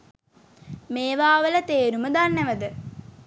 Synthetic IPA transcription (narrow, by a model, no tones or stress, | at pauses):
meːʋaːʋələt̪eːɾuməd̪anːeʋəd̪ə